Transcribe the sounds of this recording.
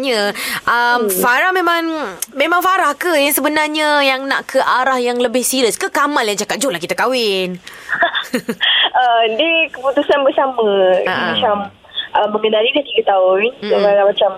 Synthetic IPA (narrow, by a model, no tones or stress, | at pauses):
ɲəʔəmfaɾahmemãŋmemãŋfaɾahkəɛsəbənarɲəjaŋna̰ʔkʰəʔaɾahjaŋləbɪhsiɾəskəkamaljaŋt͡ʃakat̪̚d͡ʒolahkit̪akawɪn | ədəkəput̪usanbərsamə̃amat͡ʃam | ʔəmːəŋənalidaht̪iɡət̪aʊnsofaɾamat͡ʃam